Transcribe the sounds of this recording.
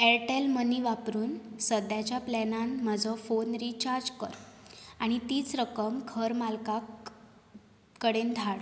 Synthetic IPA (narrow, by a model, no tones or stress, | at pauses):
ɛɾʈelməniʋapɾuːnsəd̪jat͡ɕjaplɛnanmad͡zʱɔfonɾit͡ɕaɾd͡zkəɾaɽ̃it̪iːt͡sɾəkəmkʰəɾmalka | kəɽend̪ʱaɭ